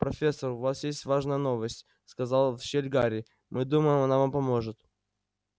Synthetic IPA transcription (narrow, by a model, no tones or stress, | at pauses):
pɾɐfʲe̞sːərʊvasjesʲtʲvaʐnəjəno̞vəsʲtʲ | skɐzalˠfɕelʲɡaɾʲɪ | mʔɨd̪uməjɪmɐnavampɐmo̞ʐɨt̪